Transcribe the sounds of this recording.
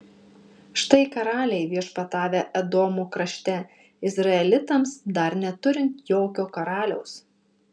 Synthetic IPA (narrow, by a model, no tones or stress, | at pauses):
ʃt̪ɐɪkɐɾɑːlʲɛɪʋʲiɛʃpɐt̪ɑːʋʲeʔɛd̪oːmokɾɐʃʲt̪ʲɛ | ɪzɾɐɛlʲɪt̪ɐmsd̪ɐɾnʲɛt̪ʊɾʲɪnt̪joːkʲoːkɐɾɑːlʲɛʊs